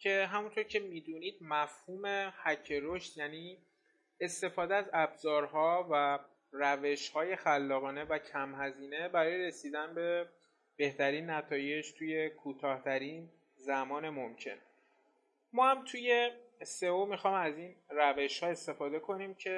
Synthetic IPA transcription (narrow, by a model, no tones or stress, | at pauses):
cʰe̞ɦæmunt̪ʰo̞ɾcʰe̞miːd̪uniːd̪̥̚mæfhuːme̞hæcʰːeɾoʃt̪jæːniː | est̪e̞fɒːd̪eæzæbzɒːɾɦɒːvæ | ræve̞ʃhɒːje̞xælːɒːɣɒːne̞væcʰæmɦæziːne̞bæɾɒːjeɾe̞siːd̪ænbe̞ | b̥e̞ht̪æɾiːnːæt̪ʰɒːje̞d͡ʒt̪ʰuːje̞kʰuːt̪ʰɒːht̪ʰæɾiːn | zæmɒːne̞momcʰe̞̰n | mɒːhæmt̪ʰuːje̞se̞omixɒːjmæzinræve̞ʃhɒːe̞st̪e̞fɒːd̪e̞kʰo̞niːmcʰe̞